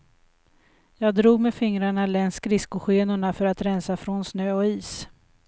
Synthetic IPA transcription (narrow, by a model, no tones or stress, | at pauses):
jɑːɡ̚d̪ɾuːɡ̚mefɪŋɾaɳalɛnskɾɪskʊɧeːnʊɳafœɾat̪ɾɛnsafɾɔnsnøːɔiːs